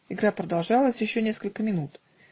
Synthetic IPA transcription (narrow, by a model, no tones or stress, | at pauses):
ɪɡɾapɾəd̪ɐlˠʐɑlˠəsʲjɪɕːonʲe̞skəlʲkəmʲɪnut̪